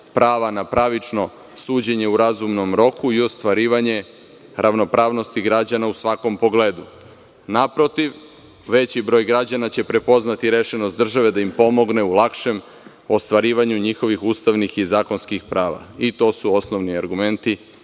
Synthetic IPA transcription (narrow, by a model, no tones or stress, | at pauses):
pɾaːʋanapɾaʋit͡ʃno̞ | suːd͡ʑe̞ɲe̞uɾazumno̞mɾo̞kuio̞st̪ʋaɾiːʋaɲe̞ | ɾʔaʋno̞pɾaːʋno̞st̪iɡɾad͡ʑanausʋako̞mpo̞ɡle̞ːd̪u | napɾo̞t̪iʋ | ʋe̞t͡ɕibɾo̞ːjɡɾad͡ʑanat͡ɕe̞pɾe̞po̞znat̪iɾe̞ʃenost̪d̪r̩ʒaʋe̞d̪aimpo̞mo̞ɡne̞ulˠakʃe̞m | o̞st̪ʋaɾiːʋaɲuɲixo̞ʋixust̪aʋnixizaːko̞nskixpɾaːʋa̰it̪o̞ːsuo̞sno̞ʋniaɾɡume̞nt̪i